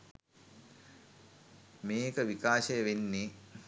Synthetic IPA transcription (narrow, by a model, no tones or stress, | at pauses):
meːkəʋikaːʃəjəʋenːi